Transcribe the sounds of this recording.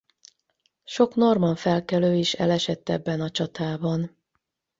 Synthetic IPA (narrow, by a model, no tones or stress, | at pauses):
ʃo̞kno̞rmɒɱfɛlkɛløːiʃɛ̰lɛʃɛt̪ːɛbːɛnɒt͡ʃɒt̪aːbɒn